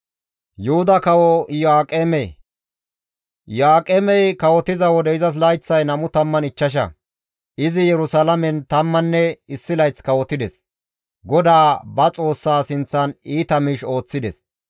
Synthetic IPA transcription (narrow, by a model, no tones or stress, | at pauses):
jʊhʊd̪ɐkɐwɔjaːkʼeːmɛ | jaːkʼeːmɛjkɐwɔt̪ɪzɐwɔd̪ɛɪzɐs̬lɐjt͡sːɐjnɐmʊt̪ɐmːɐnɪt͡ʃːɐʃ̬ɐ̰ | ʔɪzɪjɛɾʊsɐlɐmɛnt̪ɐmːɐnːɛɪsːɪlɐjt͡skɐwɔt̪ɪd̪ɛs | ɡɔd̪aːbɐt͡sʼo̞ːsːaːsɪnt͡sːɐniːt̪ɐmɪʃo̞ːt͡sːɪd̪ɛs